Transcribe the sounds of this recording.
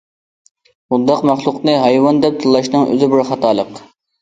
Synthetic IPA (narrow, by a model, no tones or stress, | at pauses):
mʊd̪ːɑqmæχlˠʊqnɨɦɑjwɑnd̪ɛp̚t̪ʰɨlˠːɑʃnɨŋʔø̰zɪbɪɾχɑt̪ɑːlˠəq